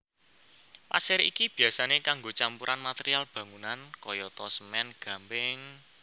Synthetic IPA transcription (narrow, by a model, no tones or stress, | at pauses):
pa̰sɪɾḭkib̥i̤asanekaŋɡot͡ʃampuɾʔanmat̪eɾialb̥ä̤ŋunankɔjɔt̪ɔsəmɛnɡ̥ä̤mbɪŋ